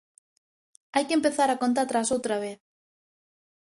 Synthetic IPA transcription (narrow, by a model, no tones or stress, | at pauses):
ajkempeθaɾakont̪̬at̪ɾasowt̪ɾaβ̞eθ